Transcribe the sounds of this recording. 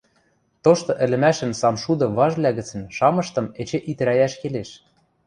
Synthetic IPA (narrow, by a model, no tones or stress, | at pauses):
t̪oʃt̪ɤ̆ʔɘ̆lʲɘ̆mæʃɘ̆nsɑmʃud̪ɤ̆βɑʒβlʲæɣɘ̆t͡sə̆nʃɑmɤ̆ʃt̪ɤ̆met͡ɕĕʔit̪̆ɾæjæʃkeleʃ